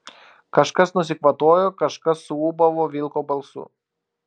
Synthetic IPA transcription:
kɐʃkɐsnʊsʲɪkʋɐt̪oːjoːkɐʃkɐsːʊuːbɐʋoːʋʲɪlˠkoːbɐlˠsʊ̰

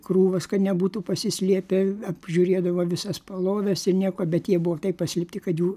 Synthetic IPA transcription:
kruːʋɐskɐt̪nʲɛbuːt̪uːpɐsʲɪsʲlʲiɛpʲɛɐpʒʲuːɾʲeːd̪ɐʋoːʋʲɪsɐspɐlˠoːd̪ɐsɪrnʲiɛkoɔbʲɛt̪jiɛbʊʋot̪ɐɪppɐsʲlʲɪpʲtʲɪkɐt̪juː

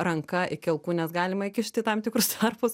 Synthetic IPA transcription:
rɐŋkɐʔɪkʲɪlˠkuːnʲɛsɡɑːlʲɪmɐɪkʲɪʃʲt̪ʲɪt̪ɐmt̪ʲɪkɾʊst̪ʰɐrpʊs

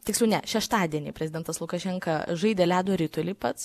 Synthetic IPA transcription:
t̪ʲɪkslʲɛʊnʲɛʃʲɛʃt̪ɑːd̪ʲiɛnʲḭːpʲɾʲɛzʲɪd̪ʲɛnt̪ɐslˠʊkɐʃʲɛŋkɐʒɐɪd̪ʲɛːlʲæːd̪oɾʲɪt̪ʊlʲɪːpɐt̪s

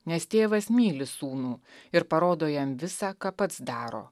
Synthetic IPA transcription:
nʲɛst̪ʲeːʋɐsmʲiːlʲɪsuːnuːɪɾpɐɾoːd̪oːjɛmʋʲɪsɑːkɑːpɐt̪sd̪ɑːɾo̰ː

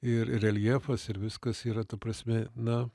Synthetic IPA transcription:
ɪɾɪɾɛlʲiɛfɐsɪɾʋʲɪskɐsiːɾɐt̪ɐpɾɐsʲmʲɛnɐ

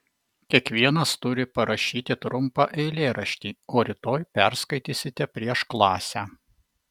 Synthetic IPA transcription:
kʲiɛkʋʲiɛnɐst̪ʊɾʲɪpɐɾɐʃʲiːt̪ʲɪt̪ɾʊmpɑʔɛɪlʲeːɾɐʃʲt̪ʲiːoːɾʲɪt̪oːjpʲɛɾskɐɪt̪ʲiːsʲɪt̪ʲɛpʲɾʲiɛʃklˠɑːsʲæː

